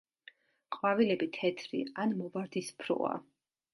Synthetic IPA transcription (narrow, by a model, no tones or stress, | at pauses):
qʼwavilɛbit̪ʰɛt̪ʰɾḭanmɔvaɾd̪ispʰɾɔ̰a̰